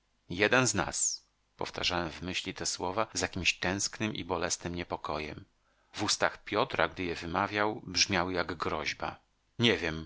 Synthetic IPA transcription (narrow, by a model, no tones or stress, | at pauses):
jɛd̪ɛnzna̰s | pɔ̰ft̪ʰa̰ʐawɛmvmɘɕlʲit̪ɛswɔvazjakʲimɕt̪ɛ̃w̃sknɘmʔḭbɔlɛsnɘmɲɛpɔkɔjɛ̰m | vust̪axpʲjɔt̪ɾaɡd̪ɘjɛvɘmavʲjawbʐmʲjawjaɡɡɾɔʑba̰ | ɲɛvʲjɛm